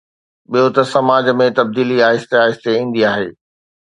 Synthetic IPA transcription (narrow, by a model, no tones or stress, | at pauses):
ɓijot̪ɐsɐmaːd͡ʑmẽt̪ɐb̚d̪iːliaːɦɪst̪eaːɦɪst̪eĩːn̆d̪iaːɦeː